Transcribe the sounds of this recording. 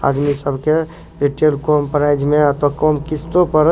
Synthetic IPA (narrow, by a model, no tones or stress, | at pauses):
a̰d̪misəbʱke | ɾiʈelkompəɾajd͡ʒmeat̪okɔmkist̪opəɾ